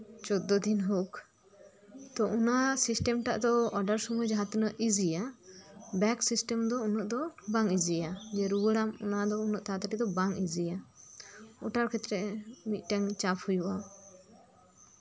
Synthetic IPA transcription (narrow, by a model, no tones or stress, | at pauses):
t͡ʃɔd̪ːɔd̪inɦok | t̪ɔʔunasisʈɛmʈaʔd̪ɔɔɖaɾsɔmujd͡ʒaɦat̪nəʔʔid͡ʒija | bɛksisʈɛmd̪ɔunɔʔd̪ɔbaŋid͡ʒijad͡ʒɛɾuwəɽamṵnad̪ɔunɔʔt̪aat̪aʈid̪ɔbaŋid͡ʒija | ɔʈaɾkʰɛt̪ɾɛmit̪̚ˀʈɛŋt͡ʃaphujuʔa